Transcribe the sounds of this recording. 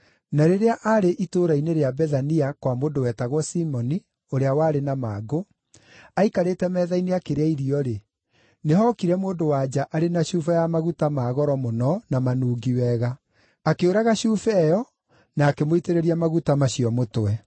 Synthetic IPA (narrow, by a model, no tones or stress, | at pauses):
naɾeɾeaʔaɾeʔitoɾaineɾeabɛðaniakwamoːndowɛtaɣwɔsimɔni | oɾeawaːɾenamaːɡo | aikaɾetɛmɛːðaineakeɾeaiɾiɔɾe | neɦɔkiɾɛmoːndowaːd͡ʑaʔaɾenaɕuːfajamaɣutamaːɣɔɾɔmonɔnamanuːɡiwɛɣa | akeoɾaɣaɕufɛjɔ | naːkemoiteɾeɾiamaɣutamaɕiɔmotwɛ